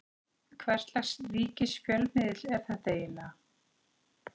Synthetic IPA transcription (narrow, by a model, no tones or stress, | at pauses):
kʰvɛr̥t̪lḁst̪viːcɪscœlmɪðɪlɛɾ̥θaðt̪eːjɪna